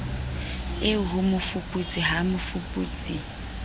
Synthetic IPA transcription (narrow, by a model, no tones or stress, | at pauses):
ɪɦʊmʊfupʼut͡sʼiɦamʊfupʼuːt͡sʼi